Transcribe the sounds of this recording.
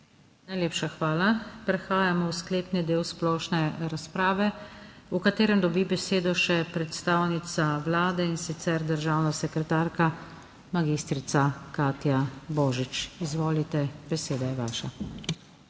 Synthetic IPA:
najleːpʃaxʋaːlapɾɛxaːjamɔwskleːpnid̪eːwsplɔːʃnɛɾaspɾaːʋɛukat̪eːɾɛmd̪ɔbibɛseːd̪ɔʃɛpɾɛt̪st̪aːwnit̪saʋlaːd̪ɛinsit̪sɛɾd̪əɾʒaːwnasɛkɾɛt̪aːɾka | maɡist̪ɾit̪sakaːt̪jabɔːʒit͡ʃizʋoːlit̪ɛbɛseːd̪ajɛʋaːʃa

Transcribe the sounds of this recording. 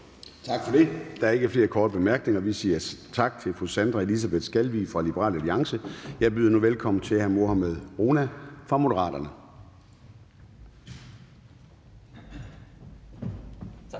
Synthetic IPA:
t͡sʰɑɡ̥fɒd̥ed̥ɑ̈æɐe̝ɡ̥əfle̝ːɐkʰɒːd̥əb̥e̝mæɐɡ̥ne̝ŋɐʋisiːɐt͡sʰɑ̈ɡ̥̚t͡sʰe̝lfʁusænd̥ʁɑe̝lis̬æb̥e̝ðˠsɡ̥ælʋḭfʁɑ̈lib̥əʁɑ̰ːlæliɑ̈ŋsəjɑ̈ɪb̥yːðˠɐnuʋelkʰɒ̽m̰n̩t͡sʰe̝hæɐmo̝ɐhæmeð̰ˠʁonæfʁɑ̈mo̝d̥əʁɑ̰̈ːd̥ɐnə

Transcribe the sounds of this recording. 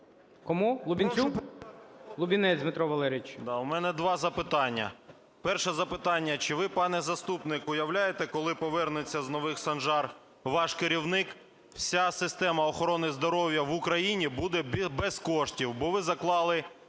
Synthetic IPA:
kɔmulˠʊbʲinʲu | lˠʊbʲinɛd̪ʲmɪt̪ɾɔʋɐlˠɛɾʲit͡ʃd̪ɑʊmɛnɛd̪ʋɑzɐpɪt̪ɑnʲːɐ̰ | pɛrʃɛzɐpɪt̪ɑnʲːɐt͡ʃɪʋɪpɑnɛzɐst̪upnɪkʊjɐwlʲajet̪ɛkɔlˠɪpɔʋɛrnet͡sʲːɐznɔʋɪxsɐnʒɑr | ʋɑʃkeɾʲiwnɪk | wsʲasɪst̪ɛmɐɔxɔɾɔnɪzd̪ɔɾɔwʲjɐʋʊkɾɐjinʲibud̪ɛbbɛskɔʃtʲiwbɔʋɪzɐklˠɑlˠɪ

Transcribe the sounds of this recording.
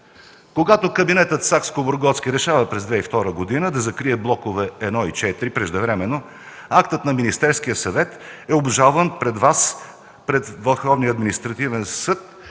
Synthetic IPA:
koɡat̪okəbinɛt̪ət̪sakskoboɾɡɔt̪skʲiɾɛʃavəpɾɛzd̪vɛift̪ɔɾəɡod̪inəd̪ɐzɐkɾiɛblˠɔkovɛɛd̪nɔit͡ʃɛt̪ɾipɾɛʒd̪ɛvɾɛmɛnːo | akt̪ət̪nɐminist̪ɛɾskijəsɐvɛt̪ɛobʒalˠvənpɾɛd̪vas | pɾɛt̪vɐlˠxɔvniəɐd̪minist̪ɾɐt̪ivɛnsɤt̪

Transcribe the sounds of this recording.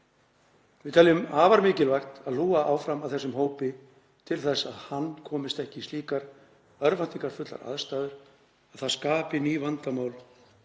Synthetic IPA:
vɪðt̪ʰɛljʏmaːvaɾmɪːcɪlvaxt̪aðluːɣaʔaːwfɾamawθɛsːʏmɦoːwpɪ | t̪ʰɪlθɛsa̰ðhanːkʰɔːmɪst̪ɛhcɪst̪iːkaɾ | œɾvan̥t̪iŋkaɾ̥fʏt̪la̰ɾa̰ðst̪aːðʏɾ̥ | aðθaðskaːpɪniːvant̪amaːwl

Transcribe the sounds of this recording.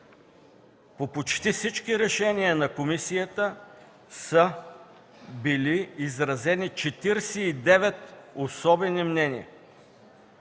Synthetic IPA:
popot͡ʃt̪ifsit͡ʃkiɾɛʃɛniənɐkomisijət̪ə | sə | biliːzɾɐzɛnit͡ʃɛt̪iɾsɛid̪ɛvɛt̪osɔbɛnimnɛnḭə̰

